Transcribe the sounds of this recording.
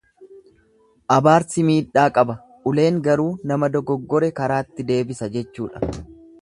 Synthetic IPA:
ʔɐbaːɾsɪmiːᶑaːkʼɐbɐ | ʔʊle̞ːŋɡɐɾuːnɐmɐd̪ɔɡɔɡːɔɾɛkɐɾaːt̪ːɪd̪e̞ːbɪsɐd͡ʒɛt͡ʃːuːᶑɐ̥

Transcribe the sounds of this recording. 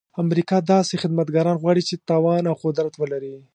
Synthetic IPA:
amɾikɑd̪ɑsexɪd̪mat̪ɡɑɾɑnɣwɑɽit͡ʃet̪ɑwɑnawqʊd̪ɾat̪wəlaɾi

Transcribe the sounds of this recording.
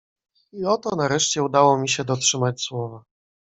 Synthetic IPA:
iɔt̪ɔnaɾɛʂt͡ɕɛud̪awɔmʲiɕɛd̪ɔtʂɘmat͡ɕswɔva

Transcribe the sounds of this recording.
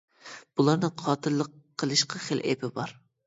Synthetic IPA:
b̥ulˠɑɾnɨqʰɑːt̪ʰɨlˠːəqʰːəlˠɨʃqʰɑχelʔḛpʰɪbɑɾ

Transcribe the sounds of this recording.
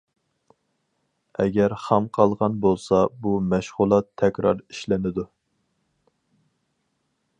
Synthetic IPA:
ɛ̰ɡʲɛɾχæmqʰɑlˠʁɑnbolˠsɑbumɛʃʁʊlˠɑt̪ʰːɛkʲɾɑ̰ɾi̥ʃlɪnɪd̪u

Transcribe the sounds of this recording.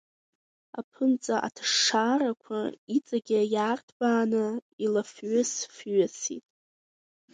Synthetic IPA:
apʰɨnt͡sʼaʔa̰tʰʂaːɾakʷʰa̰it͡sʼaɡʲɪjaːrtʰbaːnɨilafɥʊsfɥasḭtʼ

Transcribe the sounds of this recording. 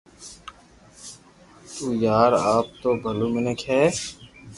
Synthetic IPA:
t̪uːjaːɾaːp̚t̪oːbʱəlumənəkʰɦɛː

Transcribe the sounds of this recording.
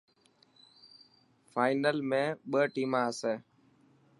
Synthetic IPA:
fʰaːɪnəlmẽːɓəːʈiːmãːəseː

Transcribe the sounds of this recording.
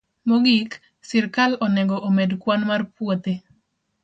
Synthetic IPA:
moɡik | sirkalɔnɛɡɔʔomedkwanmarpwot̪e

